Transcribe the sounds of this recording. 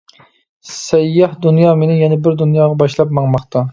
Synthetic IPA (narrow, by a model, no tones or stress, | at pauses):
sɛjːæhd̪unjɑːmenɪjɛnɛbɪɾd̪unjɑːʁɑbɑʃlˠɑpmɑŋmɑχt̪ʰɑ